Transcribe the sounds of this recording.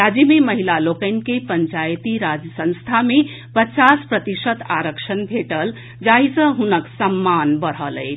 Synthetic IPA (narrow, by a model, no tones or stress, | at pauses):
ad͡ʒimeməɦilalokənkepəɲt͡ʃajt̪iɾad͡ʒjəsə̃ñst̪ʰame | pət͡ʃaspɾət̪isət̪aɾəkʂənbʱeʈəl | d͡ʒaɦisə̃ɦunəksəmːanbəɾ̤ələ̰ɪt͡ʃʰ